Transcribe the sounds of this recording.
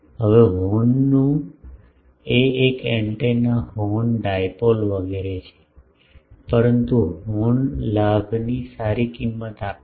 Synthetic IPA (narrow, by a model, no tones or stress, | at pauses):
ɦəʋeɦonːũ | eekɛɳʈenahonɖajpolʋəɡeɾet͡ʃʰe̥ | pəɾənt̪uɦonlaɡnisaɾikimːət̪ap